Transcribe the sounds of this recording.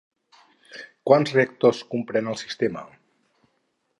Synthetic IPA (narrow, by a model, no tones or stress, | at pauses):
kwanszreək̚t̪oskumpɾenəlˠsi̥st̪emə̰